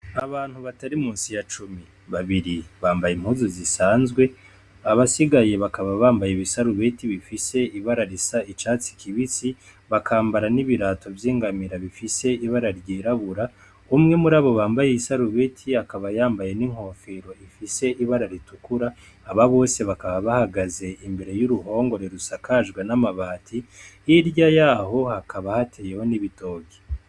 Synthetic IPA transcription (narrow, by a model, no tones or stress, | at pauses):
aβaːn̥huβataɾimuːnsijat͡ʃumi | βaβiɾiβaːmbajemhuzuzisaːnzɡwe̞ | aβasiɡaje̞βakaβaβaːmbajeβisaɾuβetiβifise̞iβaɾaɾisait͡ʃaːt͡si̥kʰiβit͡si | βakʰaːmbaɾaniβiɾaːtʰo̞vjiːŋɡamiɾaβifise̞iβaɾaɾɟiːɾaβuɾa | umŋe̞muɾaːβo̞βaːmbaje̞isaɾuβetʰiakaβajaːmbaje̞niŋ̥ho̞ːfeɾo̞ifise̞ʔiβaɾaɾitukuɾaː | βaβo̞ːse̞βakaβaβahaɡaze̞imbe̞ɾe̞juɾuho̞ːŋɡo̞ɾe̞ɾusakaʒɡwenamaβaːtʰiiɾɟajaːho̞hakʰaβahatʰeje̞ho̞niβito̞ːɡɡi̥